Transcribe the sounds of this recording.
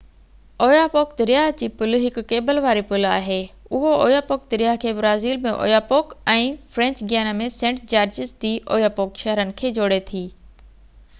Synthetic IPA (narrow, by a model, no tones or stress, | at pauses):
oːjaːpoːkd̪ɪɾɪjaːɦd͡ʑiːpʊlɦɪkʊːeːbəlʋaːɾipʊla̰ːɦeː | ʊɦooːjaːpoːk̚d̪ɪɾjaːɦkʰeːbɾaːziːlmẽʔo̰ːjaːpoːkɛ̃ːfɾɛ̃ɲt͡ɕɡɪjaːnamẽsẽːɳʈd͡ʑaːɾd͡ʑɪsd͡ʑ̪iːʔo̰ːjaːpoːkʃɛɦɾənɪ̆kʰeːd͡ʑoːɽet̪ʰiː